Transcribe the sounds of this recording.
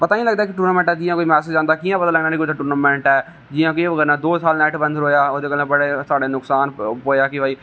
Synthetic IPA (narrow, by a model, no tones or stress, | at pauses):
pət̪aːĩləɡd̪aːkɪʈuːɾnaːmɛ̃ɳʈɛːd͡ʒɪ̃jãːkoːiːmɛːsed͡ʒãːnd̪aːkijãːpət̪aːləɡnaːnĩkod̪ʈʊːɾnaːmɛ̃ːɳʈɛː | d͡ʒɪjãːkõʋəɡəːɾnãːd̪oːsaːlnɛːʈbə̃nd̪ɾoːjaːoːd̪eːkəlãbəɽeːt̪aːɖeːnʊksaːnpoːjaːkɪbaːiː